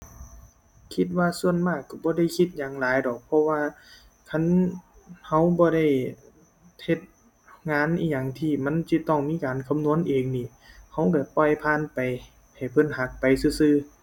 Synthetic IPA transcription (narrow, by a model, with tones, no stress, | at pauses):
kʰi˧t̪̚waː˧su˧ənmaː˧˩kːa˧˩bɔː˧˦da˧˩˨jkʰi˧t̪̚ɲaː˨ŋlaː˨˦jdɔː˨˩k̚pʰɔ˧waː˧ | kʰa˧˥˨n | ha˧˩wbɔː˧˦ɾa˧˩j | he˧t̪̚ | ŋaː˧˥˨nʔiː˧˩ɲa˧˩ŋt̪ʰiː˧˩ma˧˥˨nsi˧˥t̪ɔ˧˩ŋmiː˧˥˨kaː˨nkʰa˧˦mnu˧˥ə˨nʔeː˨˩ŋniː˧˩˨ | ha˧˩wkɛ˧˩pɔ˧˩jpʰaː˧˥˨npa˨j | ha˨˩jpʰɤ˧˥˨nha˧˦k̚pa˨jsɯː˧˩sɯː˧˨